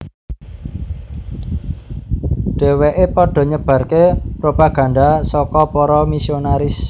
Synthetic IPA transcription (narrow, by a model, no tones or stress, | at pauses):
ɖ̥e̤weʔepɔɖ̥ɔ̤ɲəb̥ä̤rkepɾopaɡ̥ä̤nd̪asɔkɔpɔɾɔmisionaɾɪs